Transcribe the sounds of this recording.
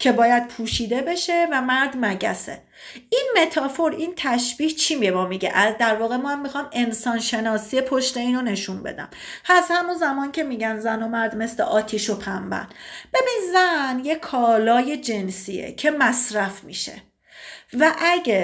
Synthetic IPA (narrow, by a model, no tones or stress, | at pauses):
cʰe̞bɒːjæd̪̥̚pʰuːʃiːd̪e̞be̞ʃe̞væmæɾd̪mæɟæsḛ | ʔinme̞t̪ʰɒːfo̞ɾint̪ʰæʃb̥iːht͡ʃʰimiebɒːmiɟḛʔæd̪æɾvɒːɣe̞mɒæmːixɒːme̞nsɒːnʃe̞nɒːsijepʰoʃt̪e̞iːno̞ne̞ʃunbḛd̪æ̰mhæzhæmunzæmɒːncʰe̞miːɟænzænomæɾd̪me̞sleʔɒːt̪ʰiʃopʰæmbæ̰nb̥e̞binzænjekʰɒːlɒːje̞d͡ʒe̞nsiḛcʰe̞mæsɾæfmḭːʃe̞̰ | væʔæɡe